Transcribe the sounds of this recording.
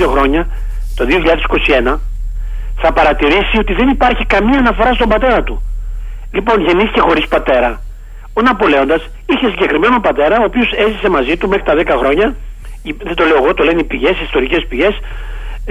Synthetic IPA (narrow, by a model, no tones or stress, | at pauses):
oxɾo̞ɲɐ | t̪o̞ðioçiʎɐðesi̥ko̞sie̞nɐ | θɐpɐɾɐt̪iɾisio̞t̪iðe̞nipɐɾçikɐmiɐːnɐfo̞ɾɐst̪o̞mbɐt̪e̞ɾɐt̪u | lipo̞nʝe̞niθice̞xo̞ɾispɐt̪e̞ɾɐ | onɐpo̞le̞o̞nd̪ɐs | içe̞siɲɟe̞kɾime̞nopɐt̪e̞ɾɐoːpio̞se̞zise̞mɐzit̪ume̞xɾit̪ɐðe̞kɐxɾo̞ɲɐ | iðed̪o̞le̞o̞ɣo̞t̪o̞lenipiʝe̞siːst̪o̞ɾice̞spiʝe̞s